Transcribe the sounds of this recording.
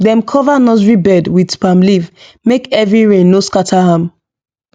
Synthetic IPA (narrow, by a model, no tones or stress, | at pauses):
dɛ̃mkʰɔvanɔzɹibɛdwidpãmlivmekɛvɹiɹẽnːoskatʰaɦãm